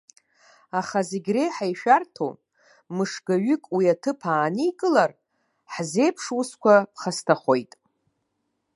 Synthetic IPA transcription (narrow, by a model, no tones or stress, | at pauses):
aχazeɡʲrejħajʃᶣartʰo̰ | mɨʂɡaɥʏkʼwiatʰɨpʰaːnijkʼɨlar | ħze̞jpʰʂwuskʷʰapχastʰaχo̞jtʼ